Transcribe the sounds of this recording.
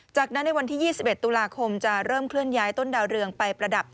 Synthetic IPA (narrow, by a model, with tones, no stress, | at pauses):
t͡ɕaː˨˩k̚na˦˥nːa˧jwa˧nt̪ʰiː˥˩jiː˥˩si˨pʔe˨˩t̪ːuː˧laː˧kʰo˧mt͡ɕa˨˩ɾɤː˥˩mkʰlɯ˥˩ənjaː˦˥jt̪o˥˩ndaː˧wɾɯ˧əŋpa˧jpɾa˧da˨˩p̚